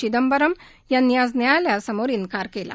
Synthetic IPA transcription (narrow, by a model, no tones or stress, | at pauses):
id̪əmbəɾəm | janjaznjajljasəmoɾinkaɾkela̰